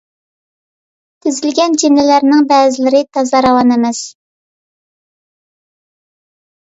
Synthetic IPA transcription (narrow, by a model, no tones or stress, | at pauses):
t̪ʰɪzɪlɡʲɛnd͡ʒenɪlæɾnɪŋbɛːzɪlɪɾɪt̪ʰɑzɑɾɑwɑnemɛs